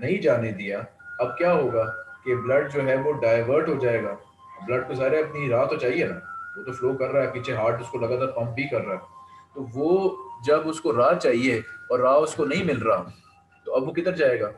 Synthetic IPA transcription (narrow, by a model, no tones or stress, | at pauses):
nɐɦĩd͡ʒaːned̪ijaːɐb̚kjaːɦoːɡaːkeblɐɖ̚d͡ʒoːɦɛʋoɖaːɪʋəɾʈɦod͡ʒaːeːɡaː | blɐɖ̚kozaːɾeɐpniɾaːt̪ot͡ʃaːɦienaːʋoːt̪ofloːkɐɾːaːɦɛpiːt͡ʃʰeɦaːʈʊskolɐɡaːt̪aːɾpɐ̃mp̚bʱikɐɾːaːɛt̪oːʋoːd͡ʒɐbʊskoɾaːt͡ʃaːɦieɔːɾːaːʊskonɐɦĩmɪlɾaa | t̪oɐbʋokɪt̪əɾd͡ʒaːeːɡaː